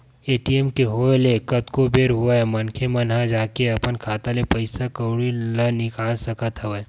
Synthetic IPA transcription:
eːʈiemkeɦoːlekɐt̪kobeːɾɦuamɐnkʰemɐnɦãd͡ʒaːkeɐpənkʰaːt̪alepəɪsakɐɽilɐnɪkaːlsɐkət̪ɦɐʋə

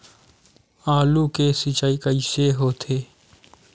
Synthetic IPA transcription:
aːlukeːsit͡ʃaːikəiːseɦoːt̪ʰeː

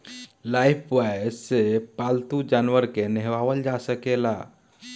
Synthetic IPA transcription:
lajpʰwajsepalt̪ud͡ʒanʋəɾkenɛɦʋabəld͡ʒasəkela

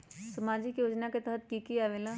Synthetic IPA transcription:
səmaːd͡ʒikjoːd͡ʒnaket̪əɦət̪̚kiːkiaːʋeːla

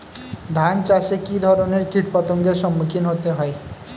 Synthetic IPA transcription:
d̪ʱant͡sasekid̪ʱʌɾoneɾkiʈpʌt̪ɔŋɡesʌmːukʰinɦot̪eɦʌj

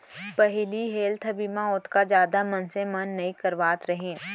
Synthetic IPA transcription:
pɐɦɪliɦeːlt̪ʰɐbimãʊt̪ʰkad͡ʒjaːd̪amɐnsemɐnːɐikɐɾʋaːt̪ɾɐɦẽː

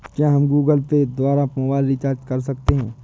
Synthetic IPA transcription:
kjaːɦɐmɡuːɡəlped̪waːɾamoːbaːɪlɾit͡ʃaːɾd͡ʒkɐɾs̬ɐkt̪eɦɛ̃ː

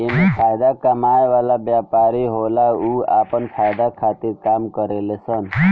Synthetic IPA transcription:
emepʰajd̪akəmajʋalabjapaɾiɦolaua̰pənpʰajd̪akʰat̪iɾkamkəɾelesən

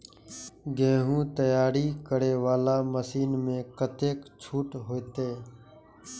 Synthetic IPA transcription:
ɡẽːɦũːt̪əjaːɾiːkəɽeːʋaːlaːməsiːnmẽːkət̪eːkt͡ʃʰuːʈɦoːet̪eː

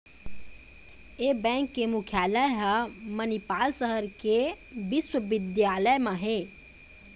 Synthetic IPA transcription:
eːbɛ̃ːŋkːemʊkʰjaːləjɦamənipaːlsəɦəɾke | bɪswəʋɪd̪jaːləjmãɦe

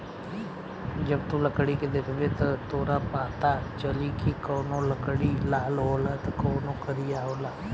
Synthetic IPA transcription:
d͡ʒəbt̪ũːləkɽiːked̪eːkʰbeːt̪ət̪oːɾãːpãːt̪aːt͡ʃəliːkikoːnõːləkɽiːlaːlɦoːlaːt̪əkoːnõːkəɾɪjaːɦoːlaː

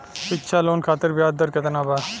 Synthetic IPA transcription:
pɪkːʃʰaːloːnkʰaːt̪əɾbɪjaːd̪əɾkət̪ənaːbaː

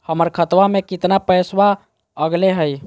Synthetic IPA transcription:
həməɾkʰət̪ʋamekit̪napəjswa | əɡleɦəj

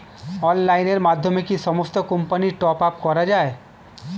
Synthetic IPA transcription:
ɔːnlaːɪneɾmaːd̪ʱjəmekisɔməst̪əkə̃mpəniʈɔːpap̚kɔɾad͡ʒaːe

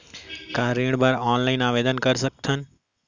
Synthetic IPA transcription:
kãːɾẽːɽ̃baɾɔːnlaːɪnaːʋeːd̪ənkɐɾsɐk̚t̪ʰənɪ̆

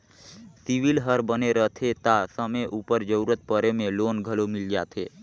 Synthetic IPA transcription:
siʋilɦəɾbəneɾət̪ʰet̪asəmeʔupəɾd͡ʒəuɾət̪̚pəɾemẽlonɡʱəlomild͡ʒat̪ʰe

